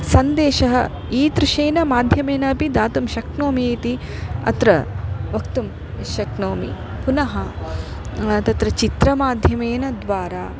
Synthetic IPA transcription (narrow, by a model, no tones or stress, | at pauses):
sɐnd̪eːʃɐɦɐ | iːt̪ɾɪʃeːnɐmaːd̪ʱjɐmeːnɐːpid̪aːt̪umʃɐknoːmieːt̪iɐ̰t̪ɾɐʋɐkt̪um | ʋiʃjɐknoːmḭ | punɐɦɐ | t̪ɐt̪ɾɐt͡ʃit̪ɾɐmaːd̪ʱjɐmeːnɐd̪ʋaːɾaː